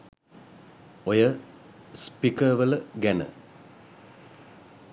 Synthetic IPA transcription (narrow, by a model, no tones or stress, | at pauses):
ojə | spikəʋələɡænə̰